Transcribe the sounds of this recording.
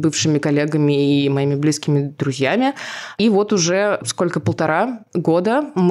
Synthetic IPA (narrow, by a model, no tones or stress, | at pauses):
bɨfʂɨmʲɪkɐlʲːeɡəmʲɪːmɐimʲɪblʲiskʲɪmʲɪd̪ɾʊzʲjæmʲɪivo̞t̪ʊʐɛskolʲkəpəlˠt̪ɐɾaɡo̞d̪əm